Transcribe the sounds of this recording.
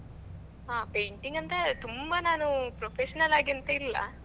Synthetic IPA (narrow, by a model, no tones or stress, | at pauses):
ɦaːpejɳʈiŋɡɐnt̪ɐt̪umbɐnaːnupɾopʰeʂɐnɐlaːɡiɐnt̪ɐilːɐ̰